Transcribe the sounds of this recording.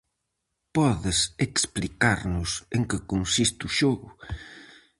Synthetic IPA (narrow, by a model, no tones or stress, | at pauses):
pɔðɪseksplikaɾnʊseŋkɪkonsist̪uʃɔɣʊ